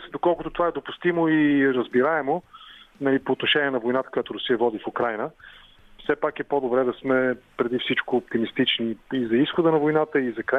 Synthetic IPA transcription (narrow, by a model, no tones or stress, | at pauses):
d̪okɔlˠkʊt̪ot̪ovaɛd̪opʊst̪imoiɾəzbiɾaɛmonɐlipoːt̪noʃɛniɛnɐvojnat̪ə̥kojat̪ʊɾʊsijəvɔd̪ifukɾajnə | fsɛpakɛpod̪obɾɛd̪ɐsmɛpɾɛd̪ifsit͡ʃkoːp̚t̪imist̪it͡ʃniizɐisxʊd̪ənɐvojnat̪əizɐkɾa